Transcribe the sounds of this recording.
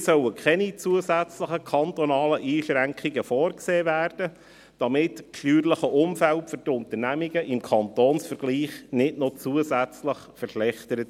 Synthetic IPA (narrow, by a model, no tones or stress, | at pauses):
sœwəkʰɛnit͡suəzæt͡sləχəkʰɑnt̪ɔnɑːləʔiːʃɾæŋkχiɡəfɔːrkseːvæːrd̥ə | d̥ɑmɪtpʃlyːrləχəʔʊmfæltfʏɾtʊnt̪əɾnæmiɡəʔɪmkʰɑnt̪oːnsfəɾɡ̥liːχnɪdnot͡suəzæt͡sləχfərʃlɛχtəɾət